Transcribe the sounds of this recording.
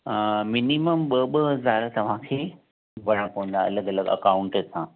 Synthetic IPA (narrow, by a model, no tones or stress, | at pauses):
mɪniməmɓəɓəɦɐzaːɾt̪ɐʋ̤ãkʰeː | ʋɐɽãpɐʋə̃n̆d̪aɐ̰ləɡɐləɡɐ̰kaːʊ̃ɳʈsã